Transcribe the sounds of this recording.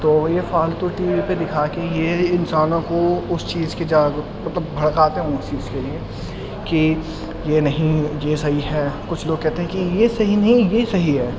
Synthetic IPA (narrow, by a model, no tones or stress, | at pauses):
t̪oːjefaːlt̪oʈiːʋiped̪ɪkʰaːkejeɪnsaːnõkoʊst͡ʃiːzked͡ʒaːɡ | mɐt̪ləbːʱɐɽkaːt̪eɦɛ̃st͡ʃiːzkelie | ki | jenɐɦĩjesɐɦiɦɛːkʊt͡ʃʰloːɡ̚kɛɦt̪eɦɛ̃kijesɐɦinɐɦĩjesɐɦiɦɛː